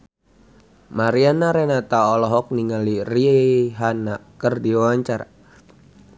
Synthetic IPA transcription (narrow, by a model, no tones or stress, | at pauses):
maɾianaɾɛnat̪aɔlɔɦɔk̚niŋaliriɦanakərdiawaɲt͡ʃaɾa